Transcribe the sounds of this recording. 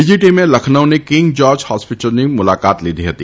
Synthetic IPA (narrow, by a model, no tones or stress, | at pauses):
ɪd͡ʒiʈimẽlɐkʰnəʊnekɪ̃ŋɡd͡ʒɔːɾd͡ʒhaːspɪʈəlnimʊlaːkaːt̪lid̪iɦɐt̪iː